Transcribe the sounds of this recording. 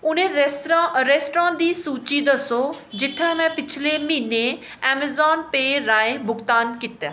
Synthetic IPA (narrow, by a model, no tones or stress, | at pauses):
ʊn̤ẽɾesʈɾãʔɾeːsʈɾãːd̪iːsuːt͡ʃid̪əsod͡ʑɪt̪ʰãmɛ̃pɪt͡ʃʰɪlemine | ɛːmezaːnpeːɾãːẽbʊɡt̪aːnkɪt̪aː